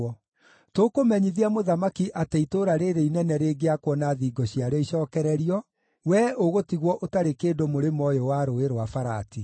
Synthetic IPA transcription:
ɔ | tokomɛɲiðiamoðamakiʔateitoɾaɾeɾeinɛnɛɾeːɡeakwɔnaðiɡɔɕiaɾɛiɕɔːkɛɾɛɾiɔ | wɛoɣotiɣwɔʔotaɾekeːdomoɾemɔjɔwaɾoeɾowafaɾa̰ti

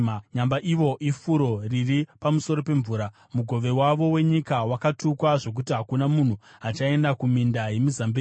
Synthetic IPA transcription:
ɲambaʔiʋo̞ʔifuɾo̞riripamuso̞ɾo̞pe̞ɱvuːɾa | muɡʱo̞ʋe̞waʋo̞we̞ɲikawakatʰukwaʐo̞k̬utiɦakunamun̤uɦat͡ʃae̞ndakumindaje̞mizambeː

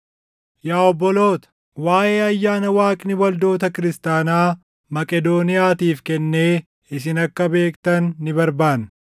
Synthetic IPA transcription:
jaːɔbːɔlo̞ːt̪ɐ̥ | waːʔe̞ːɐjːaːnɐwaːkʼɪnɪwɐld̪o̞ːt̪ɐkɪɾɪst̪aːnaː | mɐkʼɛd̪o̞ːnɪjaːt̪iːfkɛnːe̞ː | ɪs̬ɪnɐkːɐbe̞ːkt̪ɐnːɪbɐɾbaːn

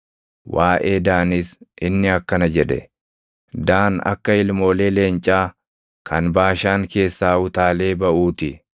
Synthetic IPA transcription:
waːʔeːd̪aːnɪsʔɪnːɪɐkːɐnɐd͡ʒɛᶑɛ̰ | d̪aːnɐ̰kːɐɪlmo̞ːleːle̞ːnt͡ʃʼaː | kʰɐnbaːʃaːŋke̞ːsːaːʊt̪aːle̞ːbɐʔuːt̪ɪ

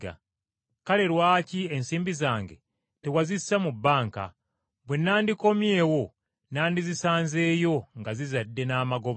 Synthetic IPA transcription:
a̰ | kale̞ɾwaːcie̞nsiːmbizaːŋɡe̞̰ | tewazissamubːaːŋka̰ | βwe̞nːaːndiko̞mje̞ːwo̞ | naːndizisaːnze̞ːjo̞ŋɡazizadːe̞naːmaɡo̞β

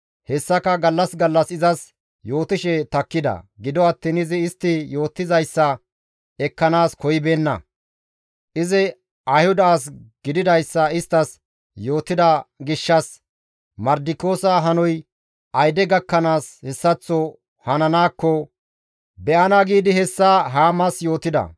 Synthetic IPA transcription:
hɛsːɐkɐɡɐlːɐsɡɐlːɐsɪzɐs | jo̞ːt̪ɪʃɛt̪ɐkːɪd̪ɐ̰ɡɪd̪ɔɐt̪ːiːnɪzɪːst̪ːɪjo̞ːt̪ːɪzɐjsːɐ | ɛkːɐnaːskɔjɪbe̞ːnːɐ̰ | ʔɪzɪ | ɐjhʊd̪aːs̬ɡ̥ɪd̪ɪd̪ɐjsːɐɪst̪ːɐs | jo̞ːt̪ːɪd̪ɐɡɪʃːɐs | mɐɾd̪ɪko̞ːsɐɦɐnɔj | ʔɐjd̪ɛɡɐkːɐnaːshɛsːɐt͡sːɔ | hɐnɐnaːkːɔ | bɛʔɐnaːɡiːd̪ɪhɛsːaɦaːmɐsjo̞ːt̪ɪd̪ɐ̰

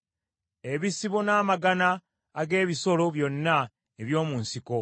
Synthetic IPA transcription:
e̞βisiβo̞naːmaɡanaː | ɡe̞ːβiso̞lo̞βjo̞nːa | eβjo̞ːmuːnsiko̞

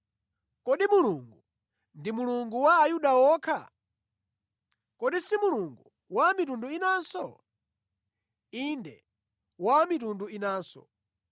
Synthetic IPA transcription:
kɔɗimuluŋɡu | ndimuluŋɡuwaːjuɗawɔːkʰa | kɔɗisimuluŋɡu | wamitunduinaːnsɔ | indɛ | wamitunduinaːnsɔ̥̰

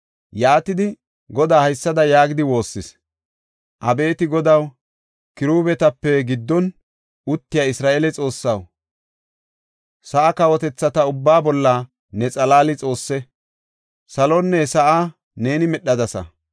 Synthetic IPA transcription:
jaːt̪ɪd̪ɪ | ɡɔd̪aːhɐjsːɐd̪ɐjaːɡɪd̪ɪwo̞ːsːɪs | ʔɐbe̞ːt̪ɪɡɔd̪ɐw | kɪɾuːbɛt̪ɐpːɛɡɪd̪ːɔn | ʔʊt̪ːɪjaɪsɾaːʔeːlɛt͡sʼo̞ːsːɐw | sɐʔakɐwɔt̪ɛt͡sːɐt̪ɐʊbːaːbɔlːɐ | nɛt͡sʼɐlaːlɪt͡sʼo̞ːsːɛ | sɐlɔnːɛsɐʔaː | ne̞ːnɪmɛɗːɐd̪ɐsɐ̰

